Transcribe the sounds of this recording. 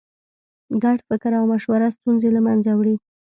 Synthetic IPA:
ɡaɽfɪkɾawmaʃwaɾast̪unzelamanzawɽi

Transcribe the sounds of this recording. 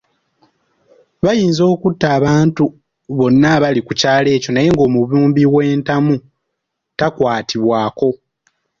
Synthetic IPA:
βajiːnzo̞ːkutːaːβaːntu | βo̞nːaβalikucaːle̞ːco̞naje̞ŋɡo̞ːmuβuːmbiwe̞ːntamu | takwaːtʰiβwaːko̞

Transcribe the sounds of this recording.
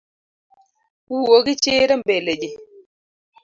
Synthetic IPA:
wuwoɡit͡ʃeːɾəmbeled͡ʒe

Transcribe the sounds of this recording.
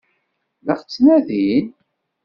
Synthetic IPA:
ləχt͡sːnæðin

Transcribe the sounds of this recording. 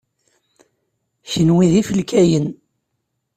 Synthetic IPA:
çənwiðifəlkæjən

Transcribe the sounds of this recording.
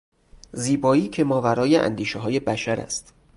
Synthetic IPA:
ziːbɒːiːcʰe̞mɒːvæɾɒːjeʔæ̰nd̪iːʃeɦɒːje̞bæʃæɾæ̰st̪

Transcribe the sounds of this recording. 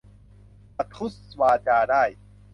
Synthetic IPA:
ɐt̪ʰuswaːt͡ɕaːɾaːj

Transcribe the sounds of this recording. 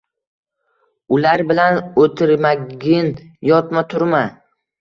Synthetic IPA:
ʊlaɾbɪlanot̪ʰɪɾmaɡʲɪnjɒt̪mat̪ʰʊɾma

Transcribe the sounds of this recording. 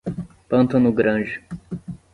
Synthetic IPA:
pɐ̃nt̪ɐ̃nʊɡɾɐ̃d͡ʒɪ

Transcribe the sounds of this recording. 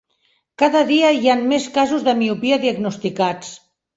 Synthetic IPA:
kaðəðiəianmeskazuzðəmiupiaðiəɡnust̪ikat͡s

